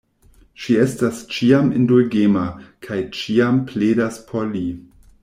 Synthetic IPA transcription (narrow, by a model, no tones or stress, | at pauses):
ʃiestast͡ʃiamḭndulɡemakʰajt͡ʃiampleːdaspʰoɾli